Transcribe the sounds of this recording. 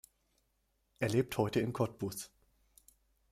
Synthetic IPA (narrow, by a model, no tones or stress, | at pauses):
ʔeːɐleːp̚thɔʏtəɪmkʰɔt̚b̥ʊs